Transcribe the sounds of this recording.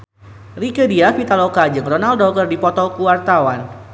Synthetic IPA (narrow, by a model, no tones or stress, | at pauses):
rikədiafit̪alokad͡ʒɨŋrɔnaldɔkərdipɔt̪ɔkuwart̪awan